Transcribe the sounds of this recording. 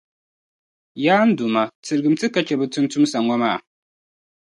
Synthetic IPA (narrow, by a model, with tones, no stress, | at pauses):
jaː˦n̩˦du˨ma˨tɨ˨ɾɨ˨ɡɨ˨m˦tɨ˦ka˨t͡ʃɛ˨bɨ˨tʊ˦n˦tʊ˦msa˨ŋʷɔ˦maː˦˨